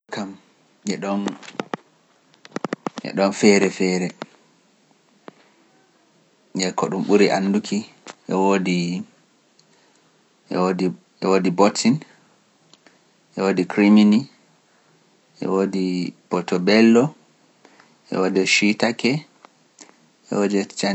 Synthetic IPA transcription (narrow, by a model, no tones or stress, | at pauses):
kam | ɛɗɔn | ʔɛ̰ɗɔnfɛɾɛfɛːɾɛ | ɛkɔɗumɓuɾiʔanːdukʰi | ʔɛwodi | ʔɛ̰wodi | ɛwodibɔtin | ʔɛwoːdikɾimini | ʔɛ̰wodipɔtɔbɛlːɔ | ʔɛ̰wodɛʃitakɛ | ʔɛ̰wodɛt͡ʃa